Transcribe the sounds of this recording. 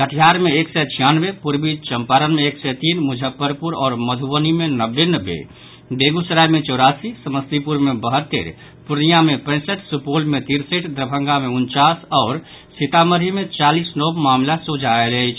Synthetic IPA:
əʈʰijaɾmeeksɛt͡ʃʰijanbepuɾbit͡ʃəmpaɾənmeeksɛt̪iːnmud͡ʒʱəpːəɾpuɾɔ̰ːɾməd̪ʱuʋənimenəbːenəbːḛ | beɡusəɾajmẽt͡ʃɔːɾasisəməst̪ipuɾmebəɦəɾt̪ːḛɾ | puɾnijamepə̃ɪ̃səʈʰsupolmet̪iɾseʈd̪ɾəbʱə̃ŋɡameunt͡ʃasɔːɾ | sit̪aməɾimẽt͡ʃalisnobmaːmlasud͡ʒʱaeləjt͡ʃʰ

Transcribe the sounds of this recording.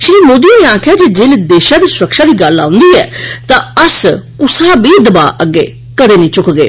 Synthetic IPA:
ʃɾiːmoːd̪ijõːnẽːaːkʰjaːd͡ʒeːd͡ʒeːled̪eːʃãːd̪iːsʊɾəkʃaːd̪iːɡəlã̰ːʊnd̪iːɛ̰ːt̪ãːəskʊsãːbiːd̪əba̰ːʔəɡːḛː | kəd̪eːnəĩːt͡ʃʊkɡḛː

